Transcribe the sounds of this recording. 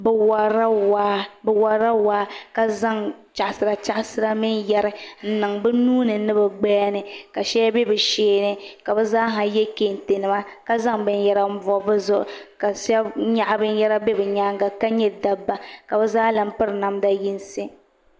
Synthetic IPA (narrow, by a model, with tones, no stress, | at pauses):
bɛ˨wa˨ɾa˦waː˦bɛ˨wa˨ɾa˦waː˦ka˨za˦ŋt͡ʃa˨ʔsɨ˨ɾa˨t͡ʃa˦ʔsɨ˦ɾa˦mi˦njɛ˦ɾɨ˨n̩˨nɨ˨ŋbɨ˦nuː˦nɨ˨nɨ˦bɛ˨ɡ͡bɛ˦a˦nɨ˨ka˨ʃɛ˦ja˦bɛ˦bɨ˨ʃeː˦nɨ˦ka˨bɛ˦zaː˦ɦa˨jɛ˦ke˨n˨te˨nɨ˨ma˦ | ka˦za˦ŋbɨ˦njɛ˦ɾa˦m̩˦vɔ˨˦bɨ˦zʊ˦ʔʊ̰˨ka˨sɛ˦ɲa˦˨ʔa˦bɨ˦njɛ˦ɾa˦bɛ˦bɛ˨ɲa˦ŋɡa˦˨ka˦ɲɛ˦da˦bːa˦ka˨bɛ˦zaː˦la˨m̩˦pɨ˦ɾna˨mda˦ji˦n˦sɪ˦